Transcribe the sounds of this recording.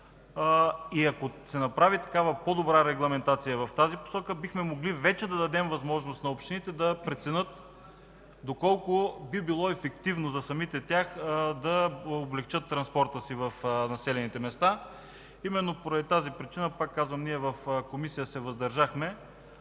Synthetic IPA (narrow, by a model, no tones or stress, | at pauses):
iɐkosɛnɐpɾavit̪ɐ̥kavəpod̪obɾaɾɛɡlˠɐmɛnt̪at̪sijəvɐft̪azipo̥sɔkəbixmɛmoɡlivɛt͡ʃɛd̪ɐd̪ɐd̪ɛmvɐzmɔʒnost̪nɐopʃt̪init̪ɛd̪ɐpɾɛt̪sɛnɤt̪̚ | d̪okɔlˠkobibilˠɔɛfɛkt̪ivnozɐsɐmit̪ɛt̪ʲjaxd̪ɐoblɛkt͡ʃɤt̪ːɾɐnspɔɾt̪əsivɐfnɐsɛlɛnit̪ɛmɛst̪a | imɛnːopoɾɐd̪it̪azipɾit͡ʃinəpakːazvəmniɛvɐfkomisijəsɛvɐzd̪ɐɾʒaxmɛ